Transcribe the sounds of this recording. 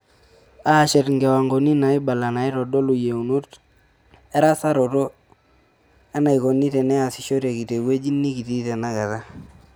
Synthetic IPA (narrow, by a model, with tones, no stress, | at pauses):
a˦˨ʃɛ˨tŋɡɛ˨wa˨ŋɡo˨ni˦na˨i˦ba˨la˨na˨i˦ɾɔ˨dɔ˦lu˨je˨u˨no˦t | ɛ˦ɾa˦sa˦ɾɔ˨to˦ | a˦na˨i˨ko˨nːi˦tɛ˨nɛ˦a˨si˨˦ʃo˦ɾa˨ki˨te˨we˦d͡ʒi˦nːi˦ki˨ti˦tɛ˨na˦kɛ˨ta˦